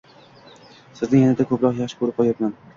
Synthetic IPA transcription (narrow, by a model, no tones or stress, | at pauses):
sɪznɪŋjanad̪akʰɵpɾɒqjaχʃɪ̥kʰɵɾɪp̚qʰɒjat̪man